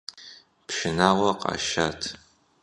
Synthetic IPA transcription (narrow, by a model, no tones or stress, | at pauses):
pʃɪnaːwɐqa̰ʃaːtʰ